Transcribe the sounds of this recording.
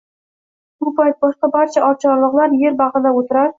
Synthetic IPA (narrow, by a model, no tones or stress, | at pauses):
b̥ʊpʰajt̪̚bɒʃt̪abaɾt͡ʃʰaʔɒɾt͡ʃʰɒɾlˠɨqlˠaɾje̞ɾbɑʁɨnaot̪ʰɪɾaɾɪ